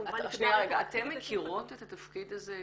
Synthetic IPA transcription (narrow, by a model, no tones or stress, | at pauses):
ʁeɡaat̪emːekʰiʁo̞t̪et̪at̪afkid̪aze